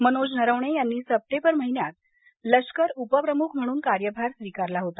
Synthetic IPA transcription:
mənod͡ʑnəɾəʋɳ̃ejanːiːsəp̚ʈembəɾməɦinjat̪̚ | ləʂkəɾupəpɾəmukʰm̤əɽ̃uːnkaɾjəbʱaɾsʋikaɾlaɦot̪a

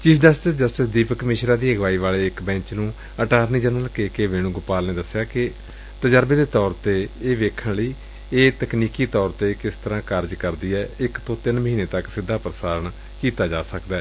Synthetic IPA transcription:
t͡ʃiːsd͡ʒəsʈɪsd͡ʒəsʈɪsd̪iːpkəmɪːʃɾaːd̪iːəɡʋaːiːʋaːleːɪkbɛ̃ːt͡ʃnũː | əʈaːɾniːd͡ʒənəlkeːkeːʋeːɽ̃ũːɡʊpaːlneːd̪əsɪjaːkɪ | t̪əd͡ʒəɾbeːd̪eːt̪ɔːɾt̪eːeːʋeːkʰənləiː | eːt̪əkniːkiːt̪ɔːɾt̪eːkɪst̪ʰəɾãːkəɾd͡ʒkəɾd̪iːɛːɪkt̪õːt̪ɪnməɦiːneːt̪əksɪd̪ʱːaːpɾəsaːɾəɳ | kiːt̪aːd͡ʒaːsəkd̪ɛː

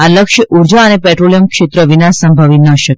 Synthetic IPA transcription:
aləkʃʔuɾd͡ʒaənepɛʈɾolijəmkʃet̪ɾəʋinassəmbʱaʋinəʃək

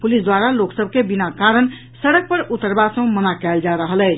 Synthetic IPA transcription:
pulisd̪waɾaloksəb̚ʱkebinakaɾən | səɽək̚pəɾut̪əɾbasə̃mənakɛld͡ʒaɾəɦəlɛt͡ʃʰ

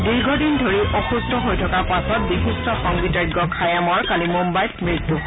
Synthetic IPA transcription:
diɹɡʱɔdindʱoɹiʔɔxustɔɦojtʰɔkaɹpasɔt̚bixistɔxɔŋɡitaɡɔkʰajamɔɹkalimumbajtmɹitːu

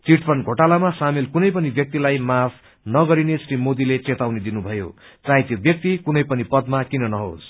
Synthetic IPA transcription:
t͡siʈpʰʌnɡʱoʈalamasamilkunʌjpʌnibjʌk̚t̪ilajmapʰ | nʌɡʌɾinesrimod̪ilet͡set̪awned̪inubʱʌjo̰ | t͡saɦjt̪jobjʌk̚t̪ikunʌjpʌnipʌd̪makinʌnʌɦo̰s

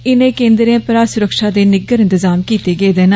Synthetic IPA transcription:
ɪnẽːkẽːnd̪ɾãːpɾaːsʊɾəkʃaːd̪eːnɪɡəɾɪ̃nt̪ɪzaːmkiːt̪eːɡeeːd̪eːna

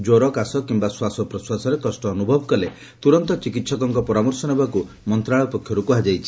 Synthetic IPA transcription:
d͡ʒoɾɔkasɔkimbaswasɔpɾɔswasɔɾekɔsʈɔːnubʱɔbʱɔkɔle | t̪uɾɔnt̪ɔt͡ʃikit̪sɔkɔŋkɔpɔɾamɔɾsɔnebaku | mɔnt̪ɾaɭɔpɔkʰjɔɾukuɦad͡ʒajt͡ʃʰi̥

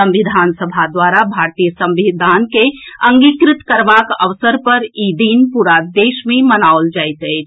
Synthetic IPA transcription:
ə̃mʋɪd̪ʱaːnsəbʱad̪waːɾabʱaːɾt̪ijəsə̃mʋid̪ʱaːnkeə̃ŋɡikɾɪt̪kəɾʋaːkə̰ʋsəɾpəɾiːd̪iːnpuːɾad̪eːʃmẽmənaold͡ʒaːɪt̪ɦe

